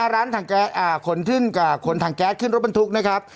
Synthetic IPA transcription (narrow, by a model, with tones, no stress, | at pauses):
aː˥˩ɾaː˦˥nt̪ʰaː˨˩ŋkɛː˦˥t̪̚ʔaː˨˩kʰo˨˩˦nt̪ʰɯ˥˩nkaː˨˩kʰo˨˩˦nt̪ʰaː˨˩˦ŋkɛː˦˥t̚ʰːɯ˥˩nɾo˦˥t̚ɓa˧nt̪ʰu˦˥k̚na˦˥kʰa˦˥p̚